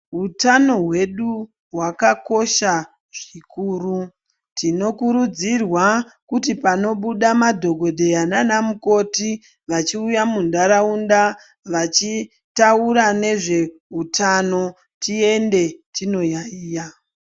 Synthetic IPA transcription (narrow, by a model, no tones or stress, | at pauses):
ɦutano̞ɦwe̞ɗu | ɦwakako̞ʃa | ʐ̥ikuːru | tino̞kuɾud͡zirwakutipano̞ɓuɗamadʱo̞ɡʱo̞dʱe̞ananamuko̞ti | ʋat͡ʃiujamundaɾaunda | ʋat͡ʃi | tauɾane̞ʐe̞ɦutano̞ | tie̞nde̞tino̞jaiːja